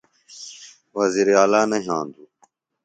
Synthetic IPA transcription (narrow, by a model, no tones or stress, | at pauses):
ʋɐziːɾaːlaːnɐɦiãːnd̪uː